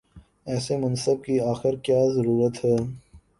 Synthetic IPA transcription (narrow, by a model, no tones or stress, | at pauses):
ɛːsemɐnsəb̚kiaːxɪɾkjaːzɐɾuːɾət̪ɦɛː